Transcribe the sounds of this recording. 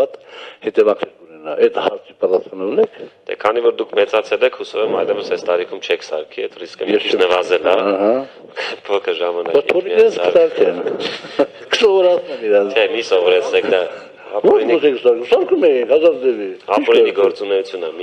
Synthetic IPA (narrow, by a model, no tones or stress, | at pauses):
ɑt̪hɛt̪ɛvɑkʰnɛɾkunɛnɑʔɛt̪hɑ̰ɾt͡sʰipɑt̪ɑsχɑnunɛkʰt̪ʰɛ̰kʰɑnivɔɾd̪ukʰmɛt͡sɑt͡sʰɛlɛkʰhusɔvɛmɑjlɛvəsɛst̪ɑɾikʰumt͡ʃʰɛkʰsɑ̰ɾkʰiɛt̪riskəmjɛnəvɑzɛlɑɦɑ | pʰɔkʰəʒɑmɑnɑbajt͡sʰvɔɾiɾɛnsʰə̥sɑɾkʰɛn | kə̥sɔvɔɾɑt͡sʰnɛmiɾɑt͡ʃʰɛmisɔvɔɾɛt͡sʰnɛkʰd̪ɑ | vɔɾɔsʰɛkəsɑɾkʰumsɑɾkʰumɛjikhɑzɑɾd͡zɛviɑit͡ʃɾɛiɡɔɾt͡sunɛut͡sʰjunəmi